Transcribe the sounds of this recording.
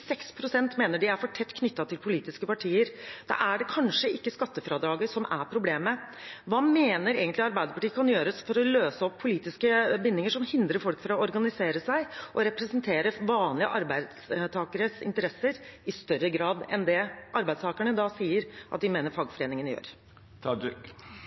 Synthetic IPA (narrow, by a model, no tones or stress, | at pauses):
sɛkspʰɾʊsɛnt̪meːnəɖɪæɾfɔʈʰɛt̪ːkʰnʏt̪ːɑt̪ʰɪlpʰʊliːt̪ɪskəpɑʈʰiːəɾd̪̥ɑ̰ʔæɖɛkʰɑnʂəɪkːəskɑt̪ːəfɾɑːd̪ɾɑːɡəʂɔmʔæ̰ɾpʰɾʊbleːməʋɑːmeːnəɾḛːɡənlɪɑɾbæɪd̪əɾpɑʈiːəkʰɑnjøːɾəsfɔɾɔløːsəɔpʰːʊliːt̪ɪskəbɪnːɪŋəʂɔmhɪnd̪ɾəɾfɔlkfɔɾɑɔɔɾɡɑnɪseːɾəsæɪʔɔɾɛpɾɛsənt̪ʰeːɾəʋɑːnlɪə̰ʔɑɾbæɪd̪st̪ʰɑːkəɾəsɪ̰nt̪əɾɛsːəɾɪst̪œɾəɡɾɑːd̪ɛ̰nd̪ɛʔɑɾbæɪd̪st̪ɑːkæɳəd̪ɑsiːəɾʔɑt̪d̪ɪmeːnəɾfɑːɡfɔɾeːnɪŋənjø̰ːɾ